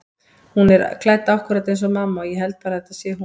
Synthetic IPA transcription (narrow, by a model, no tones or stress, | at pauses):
hunɛɾkʰlajt̪awhkʏɾat̪ejns̬ɔmaːmːaɔjɛɦɛlt̪̚paːɾaθɛt̪aðsjɛɦu